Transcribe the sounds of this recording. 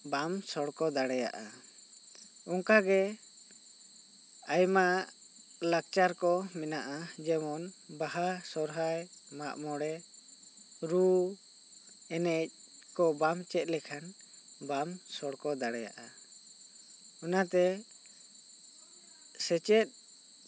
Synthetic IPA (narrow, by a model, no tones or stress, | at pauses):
bamsɔɽkɔd̪aɽɛja̰ʔa | ɔŋkaɡɛ | ajma | lak̚t͡ʃaɾkɔmɛnaʔad͡ʒɛmɔnbaɦasɔɾɦajmaʔmɔɽɛ | ɾu | ɛnɛc̚ | kɔbamt͡ʃɛt̪̚ˀlɛkʰan | bamsɔɽkɔd̪aɽɛja̰ʔa | ɔnat̪ɛ | sɛt͡ʃɛt̪̚ˀ